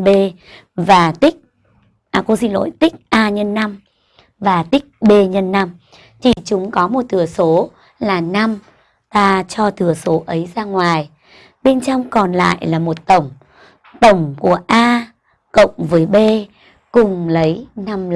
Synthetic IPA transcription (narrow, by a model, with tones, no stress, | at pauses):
ɓe˧ | vaː˨˩t̪ï˦˥k̟̚ | ʔaː˧˩ku˧˦sḭ˧nlo̰˧˨jt̪ï˦˥k̟̚ʔaː˧ɲə˧nːa˧m | vaː˨˩t̪ï˦˥k̟̚ɓe˧ɲə˧nːa˧m | t͡ɕʰi˧˩t͡ɕʊ˨˦ŋ͡mkɔ˨˦mo˨˩t̚t̪ʰɨ˨˧˩əso˨˦ | laː˨˩na˧m | t̪aː˧t͡ɕɔ˧t̪ɨ˨˩əso˨˦ʔə˨˦jzaː˧ŋwaː˨˩j | ɓe˧nt͡ɕɔ˧wŋ͡mkɔ˨˩nla̰ː˧˨jlaː˨˩mo˨˩t̚t̪ə˧˩wŋ͡m | t̪ə˧˩wŋ͡mku˧˩əʔaː˧ | kə̰˧˨wŋ͡mvəː˨˦jɓe˧ | kʊ˨˩ŋ͡mlə˨˦jna˧m